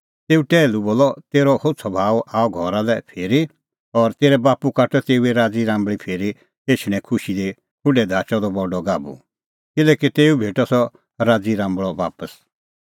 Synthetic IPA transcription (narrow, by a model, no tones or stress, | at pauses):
t̪eːuʈɛːluboːlɔt̪eːɾɔhod̪̚t͡sʰɔbʱaːʋʔaːɔɡʱɔɾalɛpʰeːɾi | ɔɾt̪eːɾɛbaːpukaːʈɔt̪eːuɛɾaːd͡ziɾãːmbɭipʰeːɾi | eːʃɽ̃ɛ̃kʰʊʃid̪e | kʰʊɖɛd̪ʱaːt͡ʃɔd̪ɔbɔɖɔɡaːbṵ | kɪlɛːkit̪eːubʱeːʈɔsɔ | ɾaːd͡ziɾãːmbɭɔʋa̰ːpəs